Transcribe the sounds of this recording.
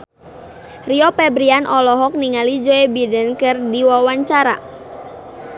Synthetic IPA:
riɔpɛbɾianʔɔlɔɦɔk̚niŋalid͡ʒɔɛbidɛnkɨrdiwawaɲt͡ʃaɾa̰

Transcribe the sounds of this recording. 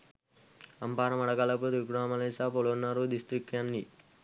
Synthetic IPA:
ɐmpaːɾɐmɐɽɐkɐlɐput̪ikɽaːmɐlesapoɭonːɐɾud̪isʈɾikːjanːi

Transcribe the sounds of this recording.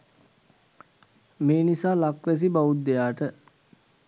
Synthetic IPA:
meːnisaːlakʋæs̬ibaʋut̪̚d̪ejaːʈə

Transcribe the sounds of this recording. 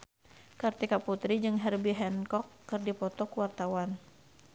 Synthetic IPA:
kart̪ikaput̪ɾid͡ʒɨŋɦɛrbiɦɛnkɔkːɨrdipɔt̪ɔkuwart̪awan

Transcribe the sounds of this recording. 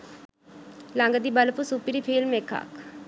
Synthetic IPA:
laŋɡəd̪ibəlpusupiɾipʰiːlmeka̰k

